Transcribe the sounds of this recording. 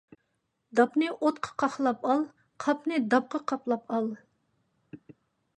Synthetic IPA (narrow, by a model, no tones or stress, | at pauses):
d̪ɑpnɨʔot̪̚qʰə̥qʰɑχlˠɑpɑlˠ | qʰɑpnɨd̪ɑp̚qʰɑqʰɑplˠɑpʰɑlˠ